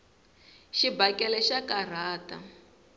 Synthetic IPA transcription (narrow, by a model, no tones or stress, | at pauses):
ʃibakʼɛlɛʃakar̤aːta̰